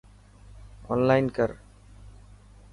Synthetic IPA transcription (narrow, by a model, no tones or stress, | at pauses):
ɔ̰ːnlaːɪnkəɾ